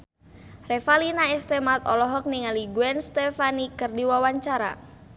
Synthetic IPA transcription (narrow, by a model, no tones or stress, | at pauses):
refalinaɛst̪ɛmat̪ɔ̰lɔɦɔk̚niŋaliɡuɛnst̪ɛfanikɨrdiwawaɲt͡ʃaɾa̰